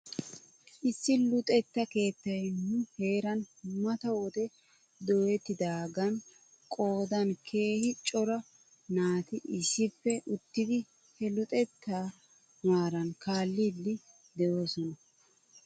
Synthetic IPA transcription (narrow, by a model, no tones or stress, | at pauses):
ʔɪsːɪlʊt̪ʼɛt̪ːɐke̞ːt̪ːɐjnʊhe̞ːɾɐnmɐt̪ɐwɔt̪ɛ | d̪ɔjɛt̪ːɪd̪aːɡɐn | kʼo̞ːd̪ɐnkʰe̞ːhɪt͡ʃʼɔɾɐ | naːt̪ɪʔɪʃːɪfːɛʔʊt̪ːɪd̪ɪ | hɛlʊt̪ʼɛt̪ːaː | maːɾɐnkaːlːidːɪ | d̪ɛʔo̞ːsɔnɐ